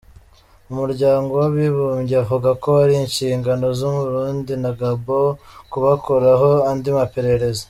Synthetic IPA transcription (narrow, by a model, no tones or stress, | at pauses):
umuɾɟaːŋɡo̞waβiβuːmɟiavuɡako̞aɾiːnʃiːŋɡano̞zuβuɾuːndinaɡabokuβakoɾaɦo̞andimape̞ɾe̞ɾe̞zo